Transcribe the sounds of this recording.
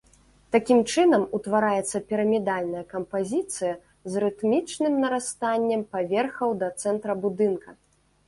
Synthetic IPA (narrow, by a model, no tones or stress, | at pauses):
t̪akʲimt͡ʂɨnɐmut̪vaɾajɛt̪sːɐpʲiɾɐmʲɛd̪alʲnɐjɐkɐmpazʲit̪sɨjɐ | zrɨt̪mʲit͡ʂnɨmnɐɾast̪anʲːɛmpavʲɛrxɐwd̪ɐt̪sɛnt̪ɾɐbud̪ɨnkɐ